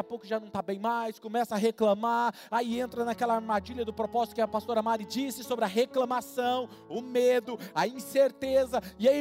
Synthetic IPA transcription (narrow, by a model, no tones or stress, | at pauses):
apowkʊʒanɐ̃w̃t̪abẽj̃majskõmɛsɐaɦeklɐ̃maɾ | aiẽnt̪ɾɐnakɛlɐaɾmad͡ʒiʎɐd̪ʊpɾopɔzit̪ʊkɪapast̪oɾamaɾɪd͡ʒisɪsobɾɪɐɦeklɐ̃masɐ̃w̃ | ʊmed̪ʊɐĩseɾt̪ezɐɪai